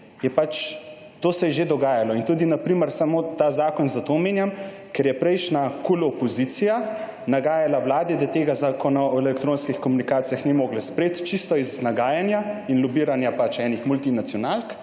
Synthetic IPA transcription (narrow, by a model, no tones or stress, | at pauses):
jɛpat͡ʃ | t̪oːsɛjɛʒed̪ɔɡaːjalɔint̪ud̪inapɾiːməɾsamot̪azaːkɔnzat̪oːmeːnjam | kɛɾjɛpɾɛjʃnakulɔpɔzit̪sija | naɡaːjalawlaːd̪ɛd̪at̪eːɡazaːkɔnaɔɛlɛkt̪ɾoːnskixkɔmunikaːt̪sijaxnimoːɡlɛspɾeːt̪t͡ʃist̪ɔiznaɡaːjanjainlubiːɾanjapat͡ʃɛnixmult̪inat̪sjɔnaːlk